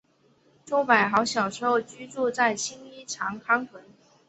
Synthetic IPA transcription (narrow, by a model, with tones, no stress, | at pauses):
ʈ͡ʂo˥ʊpa˨˩ɪxɑ˧˥ʊɕjɑ˨˩ʊʂɻ̩˧˥xo˥˧ʊt͡ɕy˥t͡su˥˧t͡sa˥˩ɪɕi˥ni˥ʈ͡ʂʰɑ˧˥ŋkʰɑ˥ŋt̪ʰwə˧˥n